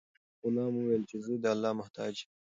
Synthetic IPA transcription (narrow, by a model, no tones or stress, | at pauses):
ʊnɑːmuweːlt͡ʃezed̪əɐlːɑːmɐht̪ɑ̰ːd͡ʒ